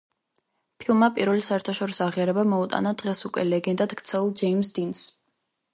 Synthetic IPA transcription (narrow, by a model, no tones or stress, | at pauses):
pʰilˠmapʼiɾvɛlisaɛɾt̪ʰaʃɔɾisɔaʁiaɾɛbamɔut̪ʼa̰nad̪̥ʁɛsukʼɛ̰lɛɡɛnd̪ad̪ɡt̪sʰɛulˠd͡ʒɛimsd̪ins